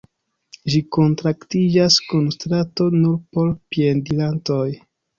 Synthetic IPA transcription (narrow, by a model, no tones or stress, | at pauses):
ʒiko̞ntɾaktid͡ʒaskunstɾato̞nuɾpo̞ɾpiendilanto̞j